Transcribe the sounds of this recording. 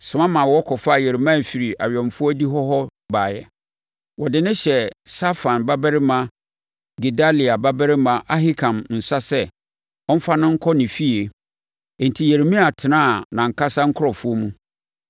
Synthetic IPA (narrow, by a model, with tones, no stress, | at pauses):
sʊ˨mã˦mã˨wɔ˦kʰɔ˨fa˦˨je˨ɾe˨mã˦˨fi˨ɾi˨ʔa̰˨ɥɔ̃˨m˨fʊ˦ɔ˦di˦ɦɔ˦ɦɔ˦baː˨jɛ̰˨ | wɔ˨dɪ˨nɪ̃˦ɕɛ˨sa˦fã˨nba˦bɛ˦ɾɪ˦mã˨ | ɡi˨da˦li˨a˨ba˦bɛ˦ɾɪ˦mã˨ʔa˦ɦi˦kʰã˨mn̩˨sa˦sɛ˦˨ | ɔ˦m̩˦fa˦nɪ̃˦ŋ̩˦kʰɔ˦nɪ̃˨fi˦e˨ | e˨n̩˨tʰi˨je˨ɾe˨mĩ˦a˨tʰɪ˨nã˦˨nã˨ŋ̩˨kʰa˦sa˦ŋ̩˦kʰʊ˦ɾɔ˨fʊ˦o˦mũ˦